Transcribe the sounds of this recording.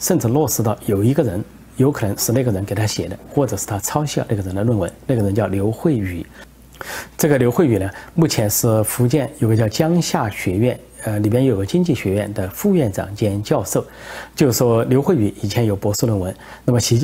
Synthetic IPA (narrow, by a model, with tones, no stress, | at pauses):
ʂə˥˧nʈ͡ʂɻ̩˥˩lwɔ˥˩ʂɻ̩˧˥t̪ɑ˥˩ʊjo˨˩ʊi˧˥ɡə˧ɻə˧˥n | jo˧˥ʊkʰɤ˨˩nə˧˥ŋʂɻ̩˥˧na˥˩ɡə˩ɻə˧˥nke˨˩ɪt̪ʰa˥ɕjɛ˨˩d̪ə̰˦xwɔ˥˩ʈ͡ʂɤ˨˩ʂɻ̩˥˩t̪ʰa˥t͡sʰɑ˥ʊɕjɑ˥˧na˥˩ɡə˩ə˧˥nd̪ə˧lwə˥˩nwə˧˥nna˥˩ɡə˩ɻə˧˥nt͡ɕjɑ˥˩ʊljo˧˥ʊxwe˥˩ɪy˨˩˦ | ʈ͡ʂɤ˥˩ɡə˩ljo˧˥ʊxwe˥˩ɪy˨˩nə˦mu˥˩t͡ɕʰjɛ˧˥nʂɻ̩˥˩fu˧˥t͡ɕjɛ˥˩njo˨˩ʊɡə˧t͡ɕjɑ˥˧ʊt͡ɕjɑ˥ŋɕja˥˩ɕɥɛ˧˥ɥɛ˥˩n | ə˧li˨˩pjɛ˥˧njo˧˥o˨˩ɡə˧t͡ɕi˥ŋt͡ɕi˥˩ɕɥɛ˧˥ɥɛ̰˥˧nd̪ə˩fu˥˧ɥɛ˥˩nʈ͡ʂɑ̰˨˩ŋt͡ɕjɛ˥nt͡ɕjɑ˥˧ʊʂo˥˩ʊt͡ɕjo˥˩ʊʂwɔ˥ljo˧˥ʊxwy˨˧˥i˨˩t͡ɕʰjɛ˧˥njo˧˩ʊpwɔ˧˥ʂu˥˧lwə˥˩nwə˧˥nna˥˩mə˩ɕi˧˥